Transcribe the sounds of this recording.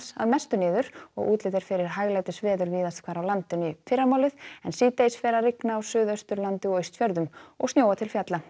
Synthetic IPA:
sa̰ðmɛst̪ʏnɪːðʏɾɔ̰ɣʔuːt̪lɪːðɪɾ̥fɪɾɪɾ̥ɦajɣlajt̪ɪsvɛːðʏɾviːðast̪kʰvaːɾawlant̪ʏnifɪrːamaːwlɪðɛnsiːt̪ejsvɛːɾarɪknaːwsʏːðœst̪ʏɾlant̪ɪɔœːɥst̪fjœɾðʏmɔ̰ɣsjoːwat̪ʰɪlfjat̪la

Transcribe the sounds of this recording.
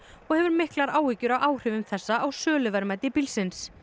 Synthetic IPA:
ɔɣhɛvʏɾmɪhklaɾaːwicʏɾawʔaːwr̥ɪvʏmθɛsːaːwsœːlʏvɛɾmajt̪ɪpilsɪns

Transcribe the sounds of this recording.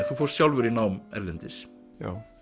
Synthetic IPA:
θufɔwɾst̪jawlvɛɾinawmɛ̰ɾlɛnt̪ɪs | a̰

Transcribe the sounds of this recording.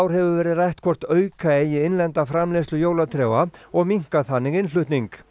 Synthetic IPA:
wɾ̥hɛvʏvɛːɾɪðrajht̪kʰvɔr̥t̪œːɥkʰaejɪɪnlɛnt̪afɾamlɛslʏjoːwlat̪ʰɾɛːwaɔɣmiŋ̥kaθanːɪɣɪnflʏht̪niŋk

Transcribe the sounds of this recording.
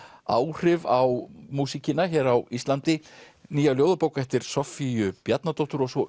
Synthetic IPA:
a̰ːwr̥ɪvawmuːsicɪnaçɛːɾawist̪lant̪ɪ | niːjaljoːwðapoːwkɛft̪ɪɾ̥sɔfiʏpjat̪nat̪ɔht̪ʏɾɔɣsvɔ

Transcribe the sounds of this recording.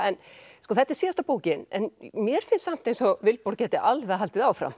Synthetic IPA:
ɛnskɔθɛht̪ːɛ̥ɾsiːast̪apoːwcɪnɛ̰nmjɛɾ̥fɪnsam̥t̪ejnsɔvɪlpɔɾcɛːt̪ɪʔalvɛɣɦalt̪ɪðaːwfɾa̰m

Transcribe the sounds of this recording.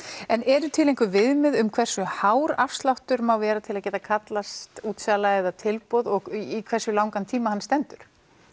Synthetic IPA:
ɛnɛɾʏt̪ʰɪlẽjŋkvʏvɪðmɪðʏmkʰvɛr̥sʏhawɾafst̪lawht̪ʏɾmawvɛːɾat̪ʰɪlaðcɛːt̪akʰat̪last̪uːt̪salaɛðat̪ʰɪlpɔðɔɣikʰvɛrsʏlaːwŋkant̪ʰiːmahanːst̪ɛnt̪ʏɾ̥

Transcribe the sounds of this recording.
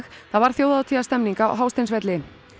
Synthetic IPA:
xθavaɾ̥θjowðat̪ʰiast̪ɛmniŋka̰ɦawst̪ejnsvɛt̪lɪ

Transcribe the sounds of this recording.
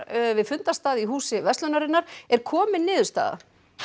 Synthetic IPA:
vɪðfʏnt̪ast̪aːðiɦuːsɪvɛst̪lœnaɾɪnːaɾɛɾ̥kʰɔːmɪnnːɪːðʏst̪a̰ːða̰

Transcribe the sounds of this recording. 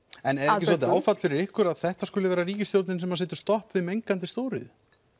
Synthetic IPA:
ɛnɛɾɛcɪsɔɪaːwfat̪lfɪɾɪɾɪhkʏɾaðθɛht̪askʏːlɪvɛːɾariːcɪst̪jowɾt̪nɪnsɛmːasɛːt̪ʏ̥st̪ɔhpvɪðmejŋkant̪̬ɪst̪oːwɾɪ̰ð

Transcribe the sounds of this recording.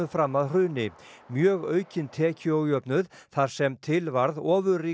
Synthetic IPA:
ʏfɾamːaðr̥ʏːnɪ | mjœːɣœːɥcɪnt̪ʰɛːcɪɔwjœpnʏð | θaɾ̥sɛmt̪ʰɪlvaɾðɔːvʏriː

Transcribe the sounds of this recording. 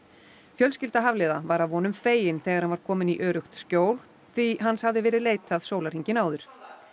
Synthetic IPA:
fjœlscɪlt̪aɦavlɛːðavaɾavvɔːnʏmfeːjɪnθɛːɣaɾ̥hanvaɾ̥kʰɔːmɪniʔœːɾʏxt̪scoːwl | θiɦanshavðɪvɛːɾɪðleːjt̪aðsoːwlaɾ̥iɲcɪnaːwðʏɾ̥

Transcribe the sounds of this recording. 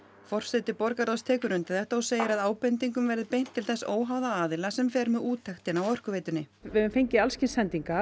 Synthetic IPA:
fɔr̥sɛt̪ɪpɔɾkaɾðast̪ʰɛːkʏɾʏnt̪ɪθɛht̪aawseːjɪɾaðaːwpɛnt̪̬iŋkʏmvɛɾðɪpejn̥t̪ʰːɪlθɛsoːwɦawðaaːðɪlasɛmfɛːɾmɛðuːt̪ʰːajxt̪ɪnawœr̥kʏveːjt̪ʏnːɪvɪðɪnfejɲcɪalscɪnsɛnt̪iŋka

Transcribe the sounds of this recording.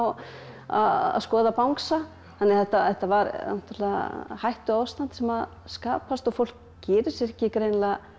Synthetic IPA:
a̰ða̰ðskɔːðapawŋksa | θanːɪθɛht̪ːaθɛht̪ːavaɾna̰̥t̪ːɾlɪa̰hajht̪ʏaːwst̪an̥t̪sɛmað | skaːpast̪ɔɣfowl̥k | cɛːɾɪ̥sɪɛhcɪkɾejnla

